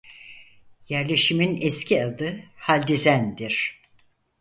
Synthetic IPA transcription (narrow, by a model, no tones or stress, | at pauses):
jæɾlʲe̞ʃiminɛscʰʲiad̪ɯhalʲd̪izænd̪iɾ̥